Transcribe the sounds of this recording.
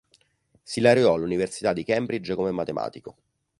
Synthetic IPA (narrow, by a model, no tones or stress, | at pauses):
silaɾeɔalːuniversi̥t̪ad̪ːikɛmbɾid͡ʒkomemːat̪emʔa̰ːt̪iko